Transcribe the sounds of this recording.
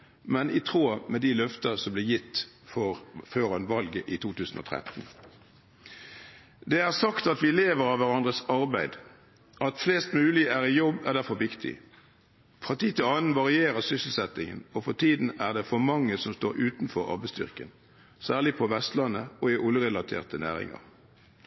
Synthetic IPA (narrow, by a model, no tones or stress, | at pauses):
mɛnɪt̪ʰʁoːmɛd̪ɪlœft̪ɑsɔmblɪːjɪt̪ː | fɔʁføːʁɑnʋɑlɡəʔɪt̪ʰuːt̪ʉːsn̩o̰t̪ʰʁɛ̰t̪n̩ | d̪ɛæʁsɑkt̪ɑt̪ʋɪleːʋəɾɑʋæɾɑnd̪ʁəsɑʁbæɪd̪ | ʔɑt̪fleːst̪mʉːlɪæʁɪjɔbːæʁd̪æfɔʋɪkt̪ʰɪ̰ | fʁɑt̪ʰiːt̪ɪlɑːnən̩ʋɑʁɪeːʁəsʏsəl̩sɛt̪ɪŋə̰nɔfɔʁt̪ʰiːd̪n̩æʁd̪ɛfɔmɑŋːəsɔmst̪oːɾʉːt̪nfɔɾɑ̰ʁbæɪst̪ʏ̰ʁkə̰n | sæːʁlɪpʰɔʋɛst̪lɑnːəɔɪʔʊləʁɛlɑt̪ʰḛːʁt̪ənæ̰ːʁɪ̰ŋɑ̰ʁ